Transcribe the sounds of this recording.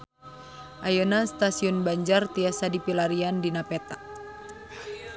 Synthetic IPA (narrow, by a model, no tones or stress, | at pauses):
ʔajɔnast̪asiɔnbaɲd͡ʒart̪iasadipilaɾiandinapɛt̪a